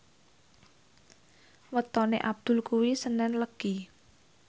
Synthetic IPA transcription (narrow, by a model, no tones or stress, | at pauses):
wət̪ɔneʔab̥̚d̪̥ʊ̤lkuwisənɛnləɡ̥i